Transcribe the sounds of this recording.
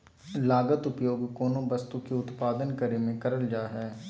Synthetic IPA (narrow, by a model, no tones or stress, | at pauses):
laːɡət̪ʊpjoːɡkoːnõbɐst̪ukeʊt̪paːd̪ənkɐɾemẽkɐɾəld͡ʒaːɦɛː